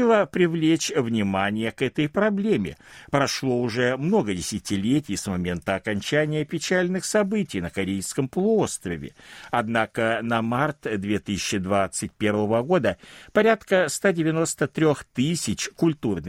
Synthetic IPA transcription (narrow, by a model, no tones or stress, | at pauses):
ɨlˠəpɾʲɪvlʲet͡ɕvnʲɪmanʲɪjəkɛt̪əjpɾɐblʲemʲɪ̰pɾɐʂlˠo̞ʊʐɛmno̞ɡədʲɪsʲɪtʲɪlʲetʲɪjsmɐmʲe̞nt̪əɐkɐnʲt͡ɕænʲɪjəpʲɪt͡ɕælʲnɨxsɐbɨtʲɪjnəkɐɾʲejskəmpəlˠʊo̞st̪ɾəvʲɪ̰ɐd̪nakənɐmart̪d̪vʲet̪ɨsɪɕːɪd̪vat̪sɨt̚ʲpʲe̞rvəvəɡo̞d̪əpɐɾʲat̪kəst̪adʲɪvʲɪno̞st̪ət̪ɾʲoxt̪ɨsʲɪt͡ɕkʊlʲt̪urnɨ